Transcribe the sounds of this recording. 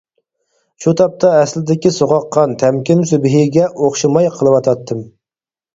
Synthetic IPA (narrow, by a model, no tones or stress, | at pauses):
ʃut̪ʰɑp̚t̪ʰɑɛslɪd̪ɪkʲisoʁɑqːɑnt̪ʰɛmkʲɪms̬ybɦɪɡʲɛʔoχʃɨmɑjqʰəlˠɨwɑt̪ʰɑt̪ʰːɨm